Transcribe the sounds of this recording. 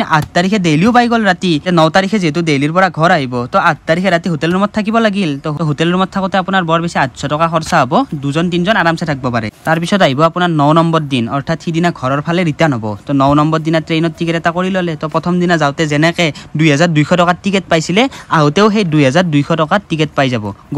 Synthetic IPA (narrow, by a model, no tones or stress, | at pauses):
ʔat̚taɹikʰɛdejliʊpajɡɔlɹatinɔwtaɹikʰɛziɦɛt̬ʊdejliɹpɔɹaɡʱɔɹaɦibɔtɔat̚taɹikʰɛɹatiɦotɛlɔɹmɔt̚tʰakibɔlaɡiltɔɦɔɦotɛlɔɹmɔt̚tʰakɔtɛapunaɹbɔɹbɛsiatsɔtɔkaxɔɹsaɦɔbɔduzɔntinzɔnaɹamsatʰak̚bɔpaɹɛ̰taɹpisɔtaɦibɔapunaɹnɔwnɔmbɔɹdinɔɹtʰatxidinaɡʱɔɹɔɹpʰalɛɹitanɦɔbɔ̰tɔnɔwnɔmbɔɹdinatɹenɔtʰːikɛtɛtakoɹilɔlɛtɔpɹɔt̪ʰɔmdinazawtɛzɛnɛkɛdujɦazaɹdujxʰɔtɔkatikɛt̚pajsilɛaɦutɛʊxejdujɦazaɹdujxʰɔtɔkatikɛt̚pajzabɔ̰ɡ